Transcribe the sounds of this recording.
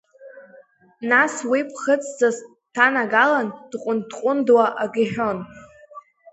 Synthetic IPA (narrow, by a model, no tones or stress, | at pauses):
naswipʰχət͡sʼd͡zaz | tʰanaɡaland̥qʷʼʊndqʷʼʊndwaʔaɡʲiħᶣon